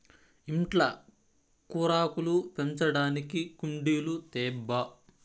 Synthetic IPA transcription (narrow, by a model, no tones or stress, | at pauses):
iɳʈlɐ | kuːɾaːkulupeɲt͡ʃɐɽaːnikikuɳɖiːlut̪ɛːbːɐ